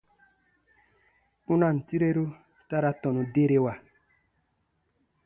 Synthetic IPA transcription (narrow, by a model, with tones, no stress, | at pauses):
u˦na˦˨n̩˨ti˦ɾe˦ɾu˦ | ta˦ɾa˦tɔ˨nu˨de˦ɾe˦wa˨